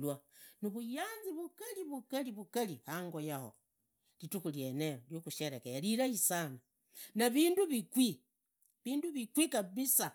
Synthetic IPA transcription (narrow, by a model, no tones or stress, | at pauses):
lwanuβujaːnziβukaliβukaliβukalihaŋɡojaho̰ | litukuljeneɾoljokuʃeɾekeliɾaisana | naβinduβikwi | βiːnduβikwikaβisa